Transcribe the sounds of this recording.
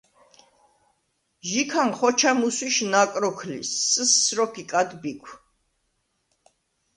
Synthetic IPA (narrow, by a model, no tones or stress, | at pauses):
ʒikʰanχɔt͡ʃʰamuswiʃnakʼɾɔkʰlḭsəsːɾɔkʰikʼad̪bikʷʰ